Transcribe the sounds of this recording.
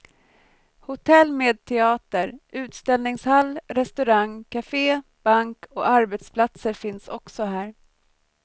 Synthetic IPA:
hʊt̪ʰɛlːmeːd̪̚t̪ʰɛɑːt̪əɾʔʉ̟ːt̪st̪ɛlnɪŋshalːɾɛst̪ɵɾaŋkʰafeːb̥aŋkʰɔaɾbɛt̪spʰlat̪səɾfɪnsɔksɔɦæːɾ

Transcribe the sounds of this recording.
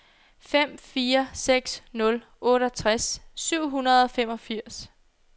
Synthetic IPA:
fem̰fiːɐseɡ̥snɔ̽l | ʔɔ̽ːɾɒt͡sʰʁasːyʊ̰ɦunɐð̞ˠɒfem̰ɒ̽fiɐ̰s

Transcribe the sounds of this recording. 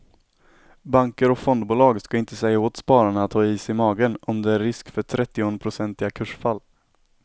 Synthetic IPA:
baŋkəɾɔkfɔnd̪bʊːlɑːɡskaɪnt̪əsɛjːaoːt̪spɑːɾaɳəat̪ʰːɑːiːsɪmɑːɡənɔmd̪ɛæɾːɪskfœʈʰɾɛt̪ːɪɔnpʰɾʊsɛnt̪ɪɡakʰɵʂfalː

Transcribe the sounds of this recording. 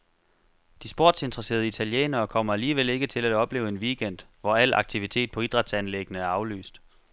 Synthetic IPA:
d̥isb̥o̝ɐ̰d̥se̝nd̥ʁɐse̝̰ːɐðˠəit͡sʰæljḛːnɐːkʰɒ̽m̰ɐæliːʋele̝ɡ̥ət͡sʰe̝læd̥ɒ̽b̥le̝ːʊe̝nʋiɡ̥en̰d̥ʋɒæl̰ɑ̈ɡ̥̚t͡sʰiʋit͡sʰe̝̰ːd̥̚pʰɒ̽id̥ʁɑ̈d̥sænleɡ̥ənəæɐɑ̈ʊly̰ːsd̥

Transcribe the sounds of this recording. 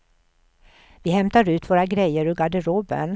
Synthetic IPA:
vɪhɛmt̪aɾʉ̟ːt̪voːɾaɡɾɛjəɾɵɡaɖəɾoːbə̰n

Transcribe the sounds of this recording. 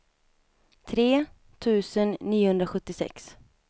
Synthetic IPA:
t̪ʰɾeː | t̪ʰʉ̟ːsənːiːʊhɵnd̪ɾaɧɵt̪ːɪsɛ̰ks

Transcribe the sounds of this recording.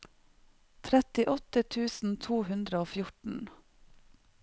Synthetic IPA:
t̪ʰɾɛt̪ɪʔɔt̪ət̪ʰʉːsn̩t̪ʰuːhʉnd̪ɾəoːfjʊʈɳ̩

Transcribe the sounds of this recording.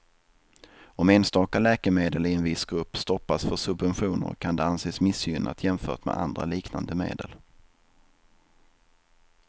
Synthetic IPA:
ɔmeːnst̪ɑːkalɛːkəmeːd̪əlɪɛnvɪsɡɾɵpːst̪ɔpːasfœʂɵbvɛnɧuːnə̰ɾkʰand̪ɛanseːsmɪsjʏnʔa̰t̪jɛmfœ̰ːʈmɛ̰ʔa̰nd̪ɾa̰liːkna̰nd̪əmḛːd̪ə̰l

